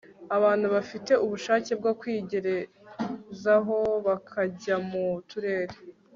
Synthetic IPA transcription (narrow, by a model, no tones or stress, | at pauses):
aβaːn̥huβafite̞uβuʃaːce̞b̚ɡakwiːɟe̞ɾe̞ | zaɦo̞βakʰaɟamutuɾe̞ːɾe